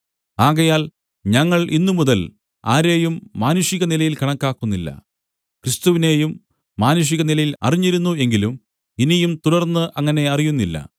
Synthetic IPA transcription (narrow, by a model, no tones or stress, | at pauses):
aːɣɐjaːl | ɲɐŋːɐɭʔinːumuðɐl | a̰ːɾe̞ːjumːaːnuʂiɣɐnilɐjilkɐɳɐkːaːkːunːilːɐ̰ | krist̪uʋine̞ːjumː | aːnuʂ̬iɣɐnilɐjilɐ̰riɲːiɾunːue̞ŋɡilum | inijumt̪uɾɐrnːɨʔɐŋːɐne̞ɐrijunːilːɐ̰